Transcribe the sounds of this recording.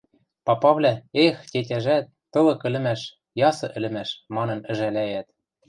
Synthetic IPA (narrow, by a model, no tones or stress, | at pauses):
pɑpɑβlʲæextʲet̬ʲæʒæt̪ːɤ̆lɤ̆kɘ̆lɘ̆mæʃ | jɑsɤ̆ʔɘ̆lɘ̆mæʃmɑnɤ̆nɘ̆ʒælæjæt̪̚